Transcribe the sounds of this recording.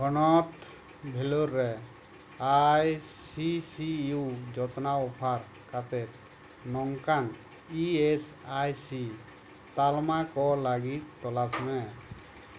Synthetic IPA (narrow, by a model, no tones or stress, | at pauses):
ɔnɔt̪ | bʱɛlɔɾːɛ | ajsisiud͡ʒɔt̪naɔpʰaɾ | kat̪ɛp̚ | nɔŋkan | iesajsi | t̪almakɔlaɡit̪̚ːɔlasmɛ